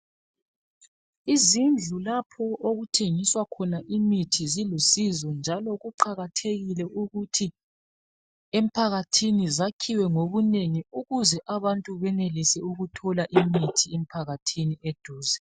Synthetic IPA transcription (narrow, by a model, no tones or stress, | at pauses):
izind͡ɮʱulapʰɔoɣutʰeŋiswakʰɔnaʔimitʰizilusizɔnd͡ʒʱalɔɣuǃaɣatʰeɣilɛuɣutʰi | em̩pʰaɣatʰinizakʰiwɛŋoβuneŋiuɣuzɛʔaβantʼuβɛnelisɛuɣutʰɔlaʔimitʰiem̩pʰaɣatʰinied̥ʱuːzɛ